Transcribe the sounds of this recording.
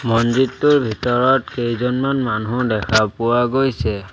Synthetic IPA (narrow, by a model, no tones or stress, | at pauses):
mɔnzitːʊɹbʱitɔɹɔtkejzɔnmanmanʊdɛkʰapʊwaɡojsɛ